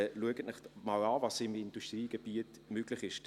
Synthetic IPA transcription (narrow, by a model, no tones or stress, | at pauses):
luəɡətnɪχmɑlaːvɑsɪmɪnd̥uʃtʁiːɡ̥eb̥iət | møɡ̥lɪχɪʃt